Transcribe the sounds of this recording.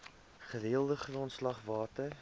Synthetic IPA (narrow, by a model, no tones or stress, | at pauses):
χəɾeəlˠdəχrɔntslɐχvɑːtə